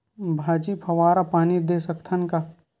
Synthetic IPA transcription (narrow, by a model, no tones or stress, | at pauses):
bʱaːd͡ʒipʰɐʋaːɾapaːnid̪eːsɐkt̪ʰənka